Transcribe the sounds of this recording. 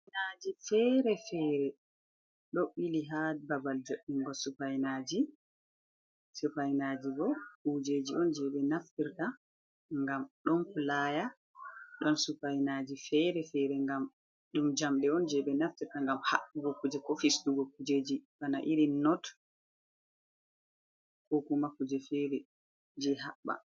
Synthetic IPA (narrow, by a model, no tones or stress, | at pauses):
anad͡ʒifɛɾɛfɛːɾɛ | ɗoɓːiliɦadbabald͡ʒoɗːiŋɡɔsupajnad͡ʒi | supajnad͡ʒibɔud͡ʒeːd͡ʒiɔnd͡ʒɛɓɛnaftiɾta | ŋɡamɗɔnpulaja | ɗɔnsupajnad͡ʒifɛɾɛfɛɾɛŋɡam | ɗumd͡ʒamɗɛɔnd͡ʒɛɓɛnaftiɾtaŋɡamhaɓuɡɔkːud͡ʒɛkɔfisduɡɔkːud͡ʒeːd͡ʒibanaʔiɾinɔt | kokumakːud͡ʒɛfɛɾɛ | d͡ʒɛɦaɓːa̰